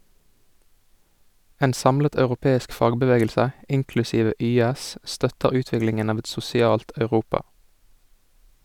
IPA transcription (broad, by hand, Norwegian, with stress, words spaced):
ˈeːn ˈsɑmlət ɑʉʁʊˈpeːɪsk ˈfɑːɡbəˌʋeːɡəlsə ˈʔɪŋklʉsiːʋə ˈʔyːæs ˈʔstœtəʁ ˈʉːˌtʋɪklɪŋən ˈɑːʋ ˈɛt sʊsɪˈɑːlt ɑʉˈʁuːpɑ